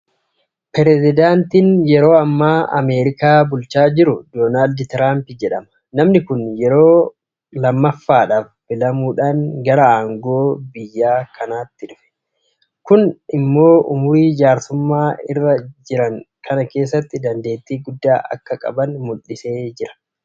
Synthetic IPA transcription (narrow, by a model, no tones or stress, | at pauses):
pɛɾɛzɪd̪aːnt̪iːnjɛɾo̞ːɐmːaːʔɐ̰meːɾɪkaːbʊlt͡ʃaːd͡ʒɪɾʊd̪oːnaːld̪t̪ɪɾaːmpɪd͡ʒɛᶑɐmɐ̥ | nɐmnɪkʊnjɛɾo̞ː | lɐmːɐfːaːᶑaːfbɪlɐmuːᶑaːŋɡɐɾɐaːŋɡo̞ːbɪjːaːkʰɐnaːt̪ːɪᶑʊfɛ̥ | kʊnɪmːo̞ːʔʊ̰mʊɾiːd͡ʒaːɾsʊmːaːɪ̰rːɐd͡ʒɪɾɐŋ | kʰɐnɐke̞ːs̬ːɐt̪ːɪd̪ɐnd̪e̞ːt̪ːiːɡʊd̪ːaːʔɐ̰kːɐkʼɐ̰bɐnmʊlɪse̞ːd͡ʒɪɾɐ̥